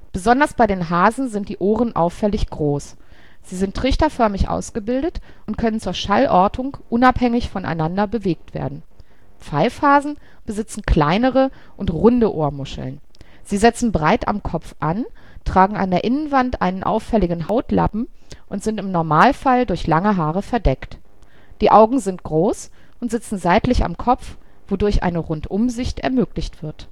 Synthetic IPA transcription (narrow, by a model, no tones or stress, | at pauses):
b̥əzɔndɐsb̥aɪɾeːnɦaːzn̩zɪnt̚d̥iːʔoːʁənʔa̰ʊfɛlɪçɡ̥ʁoːs | z̥iːzɪntːʁ̥ɪçtɐfœɐmɪçʔa̰ʊsɡ̥əbɪldət | ʔʊntkʰœnənt͡suːɐʃalʔɔɐtʰʊŋʔʊnaphɛŋɪçfɔnʔa̰ɪnandɐbəveːk̚tv̥ḛːɐdn̩ | p͡faɪfaːzn̩ | b̥əzɪt͡sn̩kʰl̥aɪnəʁə | ʔʊntʁʊndəʔoːɐmʊʃl̩n | z̥iːzɪt͡sn̩bʁaɪta̰mkʰɔpp͡fʔan | tʁ̥aːɡŋ̩a̰ndeːɐʔɪnənvantʔa̰ɪnənʔa̰ʊfːɛlɪɡŋ̩ɦaʊtlʔa̰pm̩ʔʊntz̥ɪntɪmnɔɐmaːlfaldʊɐçlaŋəɦaːʁəfɛɐdɛkt | d̥iːʔaʊɡŋ̩zɪnt̚ɡ̥ʁoːs | ʔʊntz̥ɪt͡sn̩zaɪtlɪça̰mkʰɔp͡f | v̥odʊɐçʔa̰ɪnəʁʊntʔʊmzɪçtɛ̰ɐmøːklɪçtv̥ɪɐt